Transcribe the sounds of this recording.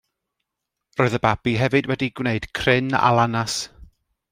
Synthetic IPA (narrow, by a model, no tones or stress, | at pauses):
rɔɨðəbab̥iɦɛvɨdwɛdiɡwneɨd̥kʰrɪna̰lˠanas